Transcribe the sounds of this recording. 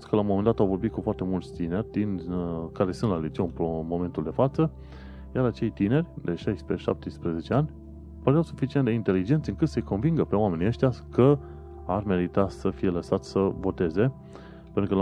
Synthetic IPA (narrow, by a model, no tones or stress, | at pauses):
skəlawmo̞mend̪at̪awvo̞rbit̪̚kufoart̪e̞mult̪st̪ine̞rʲd̪inkaɾe̞sɨnt̪lalit͡ʃiopɾomo̞me̞nt̪uld̪e̞fat̪sə | jaɾat͡ʃe̞jt̪ine̞rʲd̪e̞ʃajspɾeʃa̰p̚t̪ejspɾeze̞t͡ʃe̞anʲ | pəɾeawsufit͡ʃient̪d̪eint̪e̞lid͡ʒe̞nt̪sʲɨŋkɨt̪sejko̞nviŋɡəpe̞wame̞niəʃt̪jakə | arme̞ɾit̪asəfije̞ləsat̪sʲsəvo̞t̪e̞ze̞ | pent̪ɾukə